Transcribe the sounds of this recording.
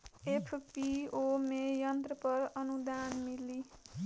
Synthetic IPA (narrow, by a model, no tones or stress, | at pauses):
epʰpiomejʌnt̪rʌpʌɾʌnud̪anmili